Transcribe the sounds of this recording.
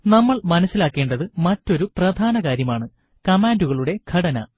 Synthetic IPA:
nɐmːɐɭmɐnɐsːilaːkːe̞ːɳɖɐðɨmɐtːo̞ɾuprɐd̪ʱaːnɐɣaːɾjɐmaːɳɨ | kɐmaːnduɣɐɭuɽe̞ɡʰʱɐɽɐnɐ̰

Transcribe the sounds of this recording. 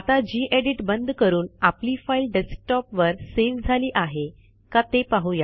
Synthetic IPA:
at̪ad͡ʑiːʔeɖiʈbənd̪kəɾuːnapliːfailɖesk̚ʈɔpʋəɾseʋd͡zʱaliːʔaɦe | kat̪epaɦuja

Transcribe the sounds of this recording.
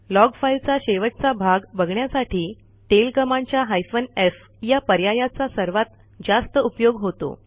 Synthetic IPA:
lɔɡfailt͡saɕeʋətt͡sabʱaɡbəɡɳjasaʈʰiː | ʈelkəmaɲt͡ɕjaɦajsʋənef | japəɾjajat͡sasəɾʋat̪ | d͡zast̪əupjoɡɦot̪o̰

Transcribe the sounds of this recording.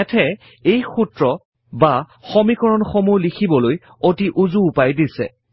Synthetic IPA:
ɛtʰɛ | ejxutɹɔ | ba | xɔmikɔɹɔnxɔmulikʰibɔloj | otiʔuzuːpajdisɛ̰

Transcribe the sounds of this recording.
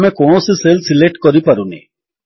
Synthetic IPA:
mekoɳ̃osiselsileʈkɔɾipaɾunḭ

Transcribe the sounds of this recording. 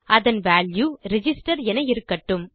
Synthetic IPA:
ʔɐðɐnʋaːljuɾɪd͡ʒɪsʈɐɾɛnɐjɪɾɯkːɐʈːɯm

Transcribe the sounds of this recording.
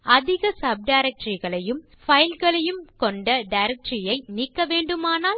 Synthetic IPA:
ʔɐðɪɣɐsɐb̚ɖɐɪɾɐk̚ʈɾiɣɐɭɐjɯm | fɐjlɣɐɭɐjɯmkɔɳɖɐɖɐɪɾɐk̚ʈɾijɐɪniːkːɐʋeːɳɖɯmaːnaːl

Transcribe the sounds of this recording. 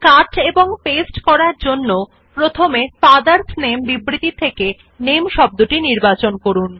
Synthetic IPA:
kaʈeboŋpesʈkɔɾaɾd͡ʑonːo | pɾot̪ʰomepad̪aɾsnembibɾit̪it̪ʰːeke | nemʃɔb̚d̪uʈiniɾbat͡ɕonkoɾun

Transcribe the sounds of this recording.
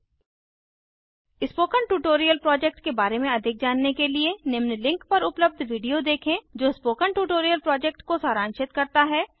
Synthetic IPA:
ɪspoːkəɳʈuːʈoːɾijəlpɾɔːd͡ʒɛk̚ʈkebaːɾemẽɐd̪ʱɪk̚d͡ʒaːnːekelienɪmnlɪ̃ŋkpɐɾʊpləb̚d̪ʱʋiːɖijod̪eːkʰẽd͡ʒoːɪspoːkəɳʈuːʈoːɾijəlpɾɔːd͡ʒɛːk̚ʈkosaːɾãːnʃɪt̪kɐɾt̪aɦɛː

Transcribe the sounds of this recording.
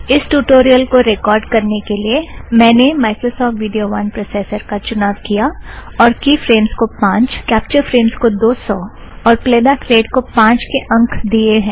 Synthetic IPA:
ɪsʈuːʈoːɾijəlkoɾekɔːɾɖkɐɾnekeliemɛ̃ːnemaːɪkɾosɔːfʈʋɪɖijoʋɐnpɾoːseːsəɾkat͡ʃʊnaːʋkijaɔːɾkifɾeːmskopãːt͡ʃkɛːp̚t͡ʃəɾfɾeːmskod̪oːsɔː | ɔːɾpleːd̪akɾeːɖkopãːt͡ʃkeʔɐ̃ŋkʰd̪ieɦɛ̃ː

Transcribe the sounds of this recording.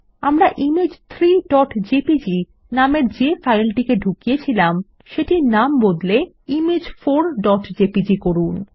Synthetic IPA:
amɾaʔimed͡ʑt̪ʰɾiɖɔʈd͡ʑepid͡ʑi | nameɾd͡ʑefajlʈikeɖʱukijet͡ɕʰilam | ʃeʈinambod̪le | imed͡ʑfoɾɖɔʈd͡ʑepid͡ʑikoɾun

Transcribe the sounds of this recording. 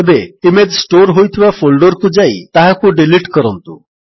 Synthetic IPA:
ebeimed͡ʑsʈoɾɦojt̪ʰiʋafolɖɔɾkud͡zajt̪aɦakuɖeliʈkəɾɔnt̪ṵ

